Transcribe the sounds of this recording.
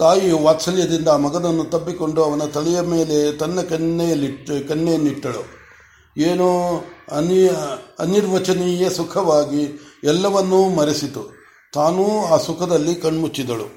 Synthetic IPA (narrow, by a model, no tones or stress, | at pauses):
t̪aːjiʋaːt̪sɐljɐd̪ind̪ɐːmɐɡɐd̪ɐnːut̪ɐbːiko̞ɳɖuɐʋɐnɐt̪ɐɭɛjɐme̞ːle̞t̪ɐnːɐkɐnːejɐlːiʈkɐnːejɐnːiʈːɐɭu | eːnuɐnɐniɾʋɐt͡ʃɐnɛjesukʰɐʋaːɡiɛlːɐʋɐnːumɐɾesit̪u | t̪aːnuaːsukʰɐd̪ɐlːikɐɳmut͡ʃːid̪ɐɭṵ